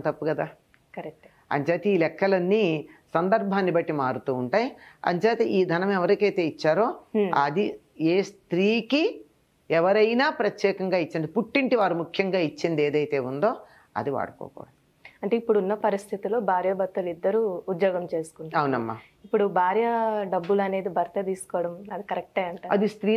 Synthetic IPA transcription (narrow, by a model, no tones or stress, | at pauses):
t̪ɐpːuɡɐd̪aː | kɐɾek̚ʈ | ɐ̰ɲt͡ʃaːt̪eiːlɛkːɐlɐnːisɐnd̪ɐɾbʱaːnːibɐʈːimaːɽut̪uːɳʈaːjiɐ̰ɲt͡ʃaːt̪eʔiːd̪ʱɐnɐmɛʋɐɾikɐjt̪e̞ːit͡ʃːaːɾo̞ːɐd̪i | eːst̪ɾiːki | ɛʋɐɾɐjnaːpɾɐt̪jɛːkɐŋɡaːit͡ʃːind̪ipuʈːiɳʈiʋaːɾumukʰjɐŋɡaːit͡ʃːind̪ieːd̪ɐjt̪e̞ːund̪o̞ː | ɐ̰d̪iʋa̰ːɽɐkɔ̰ːkɔ̰ːɽɐ | ɐɳʈeːipːuɽunːɐpɐɾist̪ʰit̪ilo̞ːbʱaːɾjɐbɐt̪ːɐlid̪ːɐɾuːd̪joːɡɐmt͡ʃe̞ːsu̥kuniɐwnɐmːa̰ː | ipːuɽubʱaːɾjɐɖɐbːulɐne̞ːd̪ibʱɐɾt̪ɐd̪iːsu̥kɔːʋɐɽɐmɐd̪ikɐɾɛk̚ʈɐjɐɳʈaːɾɐd̪ist̪ɾiː